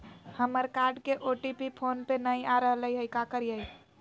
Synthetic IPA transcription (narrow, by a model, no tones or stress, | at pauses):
həməɾkaɾɖkeʔoʈipipʰonpenəjaɾəɦələjɦəjkakəɾjəj